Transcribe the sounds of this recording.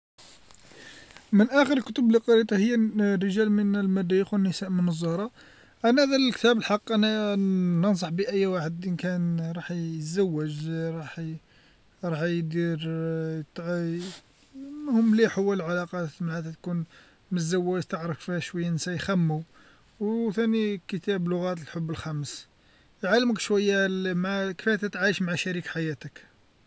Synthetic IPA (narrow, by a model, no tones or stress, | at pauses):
mənʔæxəɾəlkʊt̪əbliqɑɾit̪ˤɑhəjːærːəʒælmənəlmæd̪æjəxwənːəsæʔmənəzˤːɑɾˤɑ | ʔænæhæd̪ælkt̪æbəlħɑqːʔænænəns̬ˤɑħbiʔəjːwaħəd̪ʔənkænɾˤɑħjzæwːəʒɾˤɑħ | ɾˤɑħjd̪iɾt̪ | nhʊmːliħəwːæləlʕalɑqɑmənhæt̪æt̪kun | məzːæwːæʒt̪əʕɾˤəffihæʃwæjːæʔnsæjxæmːu | wt̪ænikət̪æblʊɣæt̪̬əlħobːəlxæməs | jʕalːəməkʃwæjːalmʕakəfæt̪æt̪ʕajəʃmaʕaʃæɾikħajæt̪ək